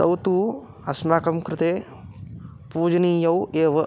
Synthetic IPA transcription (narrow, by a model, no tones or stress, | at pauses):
t̪ɐ̰wt̪uː | ɐsmaːkɐmkɾɪt̪eː | puːd͡ʒɐniːjɐweːʋɐ